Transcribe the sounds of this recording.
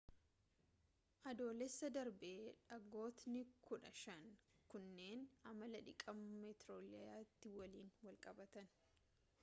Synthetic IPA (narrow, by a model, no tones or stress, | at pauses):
ʔɐd̪o̞ːlɛsːɐd̪ɐɾbeːᶑɐɡo̞ːt̪nɪkʊᶑɐʃɐnkʊnːe̞ːnɐmɐlɐᶑɪkʼɐmmɛt̪ɾoːlɐjaːt̪ːɪwɐliːnwɐlkʼɐbɐt̪ɐn